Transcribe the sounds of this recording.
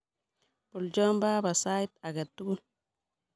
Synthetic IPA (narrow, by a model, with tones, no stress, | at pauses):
pu˨ld͡ʒo˦mba˦ba˨sa˦i˦t̪a˨ɡa˨t̪ːu˦ɡu˦